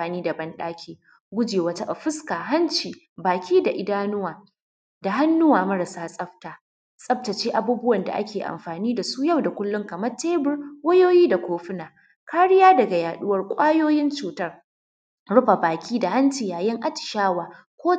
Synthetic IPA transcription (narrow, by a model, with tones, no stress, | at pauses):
aː˨niː˦da˨bɐ˦nɗaː˦kʲʰiː˦ | ɡʷʊ˦d͡ʒeː˨wɐ˦ta˦ʔa˨ɸɪ˦skaː˨ɦa˦nt͡ʃiː˨ | baː˨kʲiː˦da˨ʔɪ˦daː˦nʊ˦waː˨ | da˨ɦa˦nːʊ˦waː˨mɐ˦ɾa˨saː˦sʼɐ˦ɸtaː˨ | sʼɐ˦b̚tɐ˨t͡ʃeː˦ʔa˨buː˦bʊ˦wɐ˨nda̰˨ʔa̰˦kʲeː˨ʔa̰˨mɸaː˨niː˦da˨suː˦ja˦˨wda˨kʷʊ˦lːʊ˦ŋkɐ˨mɐ˦rteː˦bɪ˨rwɐ˦joː˦jiː˦da˨kʷoː˦ɸɪ˦naː˨ | kaː˦ɽɪ˦jaː˦dɐ˨ɡa˨jaː˨ɗʊ˦wɐ˨rkʷʼaː˦joː˦jɪ˦nt͡ʃuː˨tɐ˦r | ɽʊ˦ɸa˨baː˨kʲiː˦da˨ha˦nt͡ʃi˨jaː˨jɪ˦ŋʔa˦tɪ̥˨ʃaː˦waː˨ | kʷoː˦